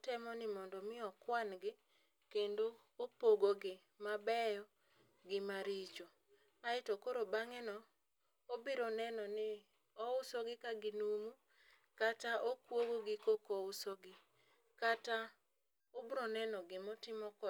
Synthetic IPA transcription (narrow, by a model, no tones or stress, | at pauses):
tɛmɔnɪmɔndɔmɪɔkwanɡɪ | kendoː | poɡoɡɪ | mabɛjɔ | ɡɪmaɾit͡ʃo | aɪtɔkoɾobaŋɛnɔ | obiɾɔnɛnɔnɪ | ɔʊsɔɡɪkaɡɪnumu | kataʔokwoɡoɡɪkokoʊsɔɡɪ | kata | obɾɔnɛnɔɡɪmɔtɪmɔkɔ